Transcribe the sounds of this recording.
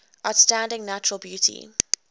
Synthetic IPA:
ʔaʊtstãndɪ̃ŋnat͡ʃɹəlˠbjuˑtʰḭ

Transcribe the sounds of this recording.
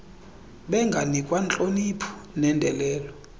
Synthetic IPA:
ɓɛŋɡʱanikʼwant͡ɬʼonipʰɔ̥nɛndʱɛlɛːlɔ

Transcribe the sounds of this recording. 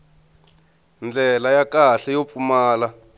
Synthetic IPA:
nd͡ɮɛlajakaɬɛjop̪fumaːla

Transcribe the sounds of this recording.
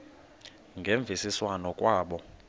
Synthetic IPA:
ŋɡʱeɱb̪vʱisiswanɔkʼwaːɓɔ

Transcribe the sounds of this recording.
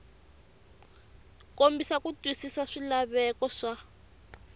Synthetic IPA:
kombisakutwisisaʂilaβɛkɔʂa

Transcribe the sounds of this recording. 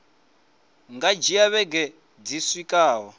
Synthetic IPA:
ŋɡad͡ʒiaβɛɡɛ | d͡ziswikʼaːɦɔ

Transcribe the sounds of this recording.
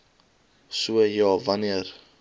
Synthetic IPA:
suəjɑːvɐniər

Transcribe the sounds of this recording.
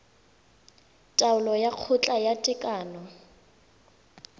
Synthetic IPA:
tʼaʊlɔjaq͡χʰʊt͡ɬʼajatʼɪkʼaːnɔ

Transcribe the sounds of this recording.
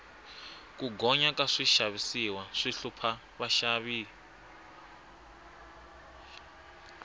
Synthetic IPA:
kuɡɔɲakaʂiʃaβisiwaʂiɬupʰa | βaʃaβiː

